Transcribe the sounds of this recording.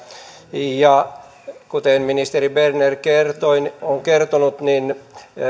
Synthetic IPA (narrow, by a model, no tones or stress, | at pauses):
jɑ | kut̪enminist̪eribernerkert̪oinoŋkert̪onut̪nin